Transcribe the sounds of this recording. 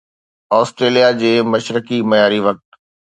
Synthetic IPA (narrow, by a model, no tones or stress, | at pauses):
ɔːsʈɾeːlijad͡ʑeːmɐʃɾəkimɐjaːɾiʋɐk̚ʈ̪